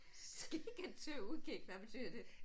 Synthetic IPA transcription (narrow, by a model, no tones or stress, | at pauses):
sɡ̥iɡ̥ænt͡sʰøuðˠɡ̥eɡ̥ʋæb̥et͡sʰy̰ðˠɐd̥e̝